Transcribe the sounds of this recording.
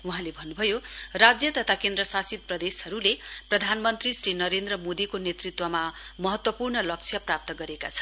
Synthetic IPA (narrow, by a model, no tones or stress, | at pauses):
uɦãlebʱʌnːubʱʌjorad͡zjʌt̪ʌt̪ʰakend̪rʌsasit̪̚prʌd̪esʌɾuleprʌd̪ʱanmʌnt̪risrɾinʌɾend̪rʌmod̪ikonet̪rit̪wʌmamʌɦʌt̪wʌpurnʌlʌk̚t͡sʰjʌprap̚t̪ʌɡʌɾeka̰t͡sʰʌ̥nn